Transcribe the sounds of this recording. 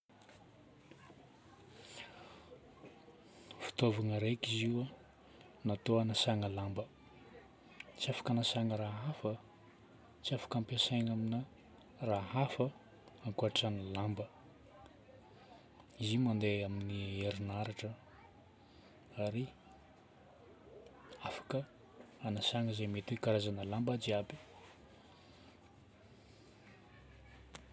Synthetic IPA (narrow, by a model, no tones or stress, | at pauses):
fi̥t̪ovanəɾejkiziwa | nat̪oanasaŋəlambə | t͡siafḁkanasaŋəɾaɦafə | t͡siafḁkampesajŋaminə | raɦafə | aŋkuaʈ͡ʂanilambə | izimand̪eaminieɾinaɾaʈ͡ʂə | aɾi | afḁkə | anasaŋəzemet̪ikaɾazanəlambəd͡ʒiabi̥